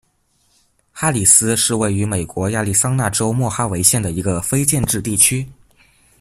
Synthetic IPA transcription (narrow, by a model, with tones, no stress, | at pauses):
xa˥li˨˩sɹ̩˥ʂɻ̩˥˧we˥˩ɪy˧˥me˨˩ɪkwɔ˧˥ja˥˧li˥˩sɑ˥ŋna˥˩ʈ͡ʂo˥ʊmwɔ˥˩xa˥we˧˥ɪɕjɛ˥˩nd̪ə˩i˧˥ɡə˧fe˥ɪt͡ɕjɛ˥˧nʈ͡ʂɻ̩˥˧t̪i˥˩t͡ɕʰy˥